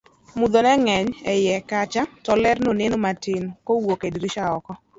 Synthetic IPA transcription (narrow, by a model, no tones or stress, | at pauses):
mud̪onɛŋɛɲɛjɛkat͡ʃatɔlɛrnonenomatɪnkowokedɾiʃaɔkɔ